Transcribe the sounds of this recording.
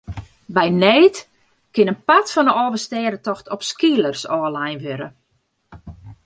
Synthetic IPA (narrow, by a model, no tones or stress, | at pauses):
bɛjnɛːt | kɪnənpatfɔndəɔːvəstɛːɾətɔxtʰɔpskiələrsɔːlajnʋøɾə̰